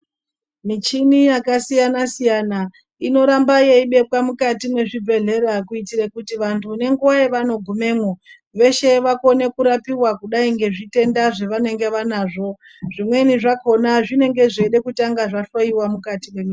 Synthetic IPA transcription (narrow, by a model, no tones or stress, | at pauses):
mit͡ʃinijakasijanasijana | ino̞ɾambajeiɓe̞pwamukatime̞ʐibʱe̞ɮe̞ɾakuitiɾekutiʋantʰune̞ŋɡuwaeʋano̞ɡʱume̞mo | ʋe̞ʃe̞ʋako̞ne̞kuɾapiwakuɗaiŋɡe̞ʐite̞ndaʐe̞ʋane̞ŋɡe̞ʋanaːʐo̞ | ʐ̥imwe̞niʐako̞naʐine̞ŋɡe̞ʐeɗe̞kutaŋɡaʐaɬoiwamukatimwe̞mi